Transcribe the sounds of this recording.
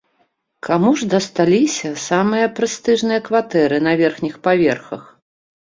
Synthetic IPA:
kamuʐd̪ɐst̪alʲisʲɐsamɨjɐpɾɨst̪ɨʐnɨjɐkvat̪ɛɾɨn̪ɐvʲɛrxnʲixpavʲɛrxɐx

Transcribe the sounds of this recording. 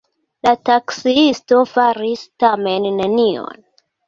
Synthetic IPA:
lataksiisto̞faɾistame̞nːenio̞̰n

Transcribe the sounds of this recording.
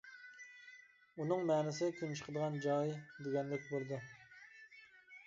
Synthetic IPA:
unɨŋmɛːnɪsɪkʲʰemt͡ʃʰə̥qʰəd̪əʁɑnd͡ʒɑːid̪eɡʲɛnlɪk̚ʲbøld̪ɪ

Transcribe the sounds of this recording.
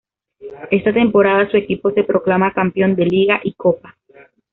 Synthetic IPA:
e̞st̪at̪e̞mpo̞ɾaðasue̞kipo̞se̞pɾo̞klamakampjo̞nd̪e̞liɣaʔiko̞pa

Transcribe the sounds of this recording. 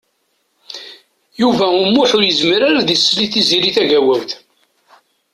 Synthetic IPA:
juvæʊmːʊħʊɾjəzmɾaɾæðisːliθiziɾiθæʝæwæwθ

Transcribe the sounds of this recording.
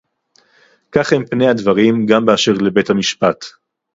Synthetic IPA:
kaχhempne̞jad̪vaʁimɡambeaʃeʁle̞be̞thamiʃpat

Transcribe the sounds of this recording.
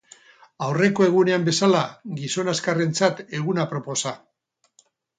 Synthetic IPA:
awre̞ko̞e̞ɣ̞une̞ambe̞salaɡiso̞naskare̞nt͡sat̪e̞ɣ̞unapɾo̞po̞sa

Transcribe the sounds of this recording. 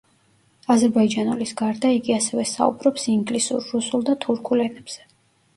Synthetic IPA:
azɛɾbaid͡ʒanulisɡaɾd̪aiɡiasɛvɛsa̰ṵbɾɔpsiŋɡlisṵɾːusulˠd̪at̪ʰuɾkʰulɛnɛb̥z̥ɛ

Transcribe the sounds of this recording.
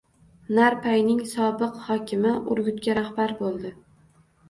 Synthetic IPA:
naɾpʰajnɪŋsɒbɪqhɒkʲʰɪmɪʔʊɾɡʲʊt̪ɡʲaɾahbaɾbolˠd̪ɪ

